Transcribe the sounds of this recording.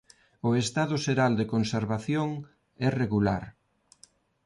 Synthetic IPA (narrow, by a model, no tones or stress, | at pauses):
ʊest̪aðʊʃeɾald̪ekonseɾβaθjoŋ | ɛreɣulaɾ